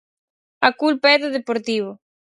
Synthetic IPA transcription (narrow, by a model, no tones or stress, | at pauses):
akulpaɛðʊðepoɾt̪iβ̞ʊ